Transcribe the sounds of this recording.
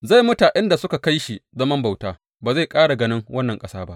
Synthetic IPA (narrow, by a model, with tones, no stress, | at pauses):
za˦˨jmʊ˦taː˨ʔɪ˦nda˨sʊ˦ka˨ka˦jʃi˨zɐ˦mɐ˦mba˨wtaː˦ | baː˨za˦˨jkʼaː˦ɽa˨ɡɐ˨˦nɪ˦ŋwɐ˦nːɐ˨ŋkʼɐ˦saː˦ba˦ʔ